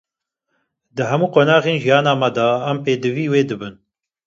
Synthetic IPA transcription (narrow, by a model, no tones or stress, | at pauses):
d̪ɨɦɛmuːqoːnɑːɣeːnʒijɑːnɑːmɛd̪ɑæmpeːd̪ɨviːweːd̪ɨbɨn